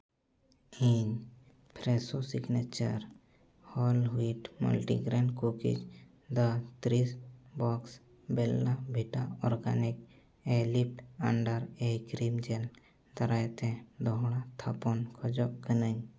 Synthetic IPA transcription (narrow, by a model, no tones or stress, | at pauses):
iɲ | pʰɾesosɪɡnet͡ʃə̰ɾ | hɔːlwiʈmə̰lʈḭɡɾeɳɖkukḭd͡ʒ | d̪ət̪ɾisbɔːks | belːabʱiʈaɔɾɡa̰nik | elip̚ʈəɳɖəɾekɾiːmd͡ʒel | d̪əɾajt̪ẽd̪oɦɽat̪ʰapɔnkʰɔd͡ʒɔkənəɲ